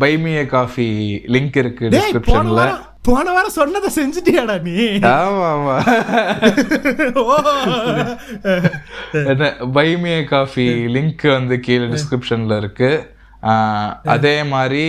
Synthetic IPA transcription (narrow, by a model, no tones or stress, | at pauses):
bɐɪmɪjɐkaːfilɪŋkɪɾɯkːɯɖ̪ɪeːkɾɪpʃoɐnɐɐlːɐɾɐ | poːɳɐʋaːɾɐsɔnːɐðɐsɛɲd͡ʒɪʈːiaːɽaːniaːmaːmaː | o | ɛnːɐbɐɪmɪjɐkaːfilɪŋkʋɐnd̪ɯkiːlɐɖɪskɾɪpʂɐnɐlɪɾɯkːɯ | ɐ̰ðeːmaːd̪ɾi